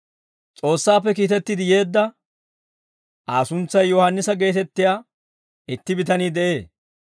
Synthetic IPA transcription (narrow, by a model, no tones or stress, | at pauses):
t͡sʼo̞ːsːaːpːɛkiːt̪ɛt̪ːɪd̪ɪje̞ːd̪ːɐ | ʔaːsʊnt͡sːɐjːɔhɐnːɪsɐɡe̞ːt̪ɛt̪ːɪjaː | ɪt̪ːɪbɪt̪ɐniːd̪ɛʔe̞ː